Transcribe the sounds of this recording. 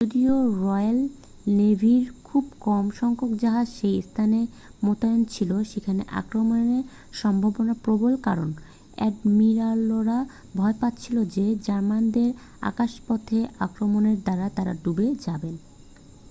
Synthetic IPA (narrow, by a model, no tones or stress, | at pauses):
d͡ʑod̪ioɾɔjal | nebʱiɾkʰubkɔmʃɔŋkokd͡ʑaɦad͡ʑʃejst̪ʰane | mot̪ajont͡ɕʰiloʃekʰanḛʔa̰kɾomoneɾ | ʃɔmbʱabonapɾobolkaɾon | ɛ̰ɖmiɾaloɾa | bʱɔepat̪ːt͡ɕʰilod͡ʑed͡ʑaɾmand̪eɾ | a̰kaʃpɔt̪ʰea̰kɾomoneɾd̪aɾat̪aɾa̰ɖubed͡ʑaben